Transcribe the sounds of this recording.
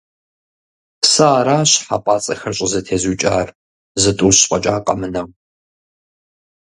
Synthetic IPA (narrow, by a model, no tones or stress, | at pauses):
sɐːɾaːɕħa̰ːpʼaːt͡sʼɐxɐrɕʼɪzɐtʰeːzuːt͡ʃʼa̰ːr | zɨtʼuːɕqʼɐt͡ʃʼaːqʼɐmɨnɐw